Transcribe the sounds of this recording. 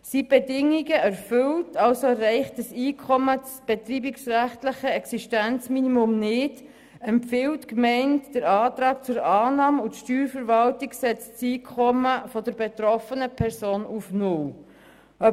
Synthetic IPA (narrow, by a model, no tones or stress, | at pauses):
sib̥edɪŋːiɡəæɾfʏltʰɑlsoɛɾɛɪχtəsiːkʰɔmət͡sb̥ɛt̪ɾiːbiksræχtləχəɛksiʃtænt͡sminimʊmnɪd̥ | ɛmpfɪwtkmɛɪntd̥əɾɑːtɾɑːkt͡sʊɾɑːnɑːməutʃtyːɾfəɾvɑltiksɛt͡st͡siːkʰɔməfɔdəɾbet̪ɾɔfənəpʰɛɾsoːnufnʊl | œ